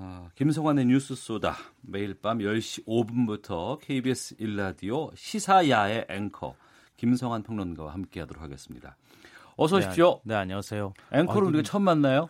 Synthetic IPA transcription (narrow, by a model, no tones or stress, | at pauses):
kims̬ʰʌŋaneɲus͈ʰɯs͈oda̰me̞iɭp͈amjʌɭɕ͈iobunbutʰʌkʰe̞ibiesʰɯiɭːadioɕʰisʰajae̞ʔeŋkʰʌ̰ | kimsʰʌŋɦanpʰʌŋnʌnɡa̰wa̰hamk͈e̞ɦadoɾo̰kʰaɡe̞s͈ɯ̥mɲida̰ | ʌs̬ʰʌɕʰi̥pɕ͈oneaɲiasʰejoeŋkʰʌɾoundɡet͡ɕʰʌmːanːajo